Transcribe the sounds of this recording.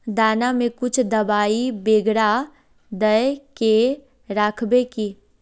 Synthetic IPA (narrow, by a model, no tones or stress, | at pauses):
d̪aːnamẽkʊt͡ʃʰd̪ɐbaːibeːɡɽa | d̪əjke | ɾaːkʰbekiː